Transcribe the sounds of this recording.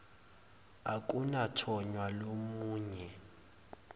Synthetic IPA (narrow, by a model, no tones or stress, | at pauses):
akʼunatʰɔɲwalomuːɲɛ